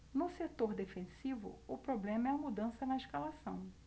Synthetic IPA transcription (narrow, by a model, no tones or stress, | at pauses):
nʊset̪oɾd̪efẽsivʊ̰ʊpɾoblẽmɐɛmud̪ɐ̃sɐnɐeʃkalasɐ̃w̃